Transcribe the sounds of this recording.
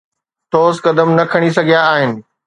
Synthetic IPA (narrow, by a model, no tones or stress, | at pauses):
t̪oːzkɐd̪əmnɐkʰɐɽ̃is̬ɐɡʱijaːɦɪnɪ̆